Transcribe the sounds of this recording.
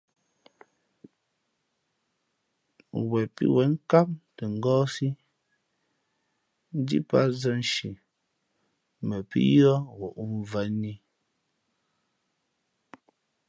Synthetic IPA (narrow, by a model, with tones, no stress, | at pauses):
wɛ˨pḭ˦wɛ˨˦ŋ̩˦ka˦p̚te˨ŋ̩˨ɡɔː˦si˦ | n̩˦dḭ˦pa˦zə˦n˨ʃi˨ | mɛ˨pḭ˦jɔ˦ɣɔ˨ʔu˦m˨və˨˦ni˦